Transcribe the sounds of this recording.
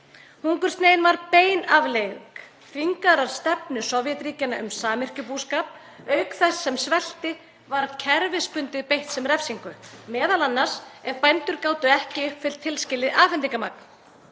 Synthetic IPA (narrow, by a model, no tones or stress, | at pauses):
huŋkʏɾ̥st̪neːjɪnvaɾpeːjnavlejk | fiŋkaɾaɾ̥st̪ɛpnʏsɔvjɛt̪ɾiːcɪnaʔʏmsaːmɪr̥cʏpuːskaːp | œːɥkθɛsːɛmsvɛl̥t̪ɪ | vaɾcʰɛɾvɪspʏnt̪ɪðpejht̪sɛmrɛfsiŋkʏmɛːðalanːaɾ̥sɛɾpajnt̪ʏɾkaːwt̪ʏɛhcɪʏhpfɪl̥t̪ʰːɪlscɪlːɪðaːfɛnt̪iŋkamak̚n